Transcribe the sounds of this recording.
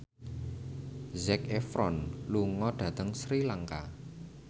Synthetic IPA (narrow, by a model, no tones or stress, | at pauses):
zɛkefɾɔnluŋɔɖ̥ä̤t̪əŋsɾilaŋka̰